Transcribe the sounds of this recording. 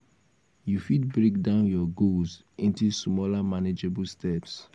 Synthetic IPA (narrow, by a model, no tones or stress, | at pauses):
jufid̚bɹek̚dãʊ̃njɔɡolz | ĩntusmɔlamaned͡ʒebulstɛps